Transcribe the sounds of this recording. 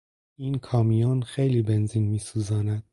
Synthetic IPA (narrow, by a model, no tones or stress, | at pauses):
iːnkʰɒːmijɑːnxejliːbenziːnmiːsuːzɑːnæd̪̥̚